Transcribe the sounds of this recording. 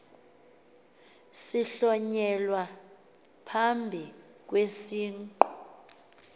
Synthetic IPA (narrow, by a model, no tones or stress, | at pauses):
siɬɔɲɛlwa | pʰambʱi | k̬wesiːŋǃɔ